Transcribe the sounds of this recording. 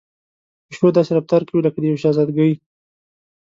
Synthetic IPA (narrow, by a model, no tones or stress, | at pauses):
ʊʃod̪ɑsed̪aft̪ɑɾkawiləkad̪əjawʃɑzɑd̪ɡawi